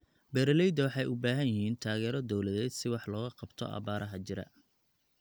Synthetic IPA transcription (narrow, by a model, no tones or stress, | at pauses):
bɛɾlɛjd̪ɐwɑħɑjʔʊbaːɦɐnjɪɦiːnt̪ʰaːɣɛːɾɔd̪ɔwlɐðɛːd̪sɪwɑħlɔːɣɐqɑbt̪ʰɔ̰ʔɑ̰βaːɾʔɐɦɐt͡ʃɪɾɐ̰